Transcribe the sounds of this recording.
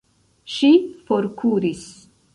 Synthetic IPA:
ʃifo̞ɾkʰuɾis

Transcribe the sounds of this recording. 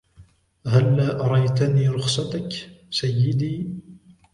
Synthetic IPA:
ɦalːaːʔɑɾˤɑjt̪aniːɾʊxsat̪aksajːɪd̪iː

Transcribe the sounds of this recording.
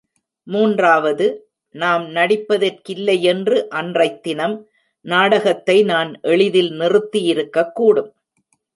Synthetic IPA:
muːndraːʋɐðɯ | naːmnɐɽɪpːɐðɐrkɪlːɐjɛndrɯʔɐndrɐɪt̪ːɪnɐm | naːɽɐɣɐt̪ːɐɪnaːnʔɛɭɪðɪlnɪrɯt̪ːijɪɾɯkːɐkːuːɽɯm

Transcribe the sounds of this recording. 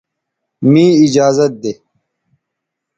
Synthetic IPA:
mĩːid͡ʑaːzɐt̪̚d̪e

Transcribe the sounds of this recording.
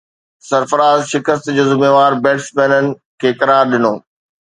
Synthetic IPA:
sɐɾfəɾaːzʃɪkəst̪d͡ʑoːzɪmeːʋaːɾbɛːʈsmɛːnənɪ̆ | kʰeːkɐɾaːɾɗɪnoː

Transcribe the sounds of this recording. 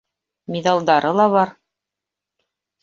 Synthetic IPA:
mʲiðɑlˠd̪ɑɾɤlˠɑβɑɾ

